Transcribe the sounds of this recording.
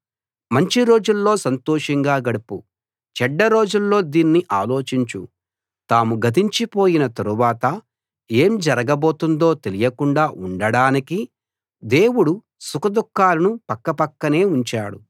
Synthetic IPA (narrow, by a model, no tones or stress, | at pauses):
mɐɲt͡ʃiɾo̞ːd͡ʒulːo̞ːsɐnt̪oːʂɐŋɡaːɡɐɽupu | t͡ʃɛɖːɐɾo̞ːd͡ʒulːo̞ːd̪iːnːiʔaːlo̞ːt͡ʃiɲt͡ʃṵ | t̪aːmuɡɐt̪̬iɲt͡ʃipo̞ːjinɐt̪ɐɾuʋaːt̪ɐ | e̞ːmd͡ʒɐɾɐɡɐbo̞ːt̪und̪o̞ːt̪e̞lijɐkuɳɖaːʔuɳɖɐɽaːniki | d̪e̞ːwuɽu | sukɐd̪ukːaːlɐnupɐkːɐpɐkːɐne̞ːuɲt͡ʃaːɽu